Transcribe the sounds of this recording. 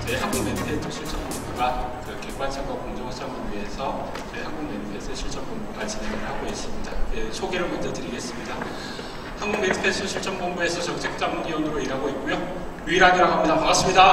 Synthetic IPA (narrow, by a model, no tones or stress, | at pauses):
t͡ɕe̞haŋɡuŋme̞npʰe̞tʰɯt͡ɕʰuɭt͡ɕ͈ʌmbombuɡakɯɾʌkʰek͈wat͡ɕʰiŋɡwʌkoŋd͡ʑʌŋt͡ɕ͈aŋɯɥie̞sʰʌ | t͡ɕe̞̰haŋɡuŋmedʰɯpʰe̞s͈ʰɯt͡ɕʰuɭt͡ɕ͈ʌmboŋbuɡat͡ɕine̞ŋɯɭhaɡoɡes͈ɯmɲida̰jesʰoɡeɾɯɭmand͡ʑʌdɯɾiɡe̞s͈ɯmɲida | haŋɡuŋmendɯ̥pʰes͈ɯt͡ɕʰuɭt͡ɕ͈ʌmboŋbue̞sʰʌt͡ɕʌŋt͡ɕʰe̞k̚t͡ɕ͈amuniwʌnɯɾoiɾɦaɡoit̚k͈ujo | juiɾɦaɡiɾakamɲidamakas͈ɯmɲida